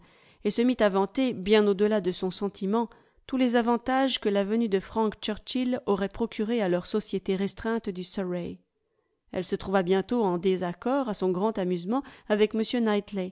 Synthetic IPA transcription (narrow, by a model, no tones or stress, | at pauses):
esəmit̪avɑ̃t̪ebjɛ̃nod̪əlad̪əsɔ̃sɑ̃t̪ʰimɑ̃ | t̪ulɛzavɑ̃t̪aʒkəlavənyd̪əfχɑ̃kt͡ʃœʁt͡ʃilɔʁɛpχɔkʲʰyʁealœʁsɔsjet̪eʁɛst̪χɛ̃t̪d̪ysɔʁɛ | ɛ̰lsət̪χuvabjɛ̃t̪oɑ̃d̪ezakɔʁasɔ̃ɡʁɑ̃t̪amyzmɑ̃avɛkməsjønajt̪le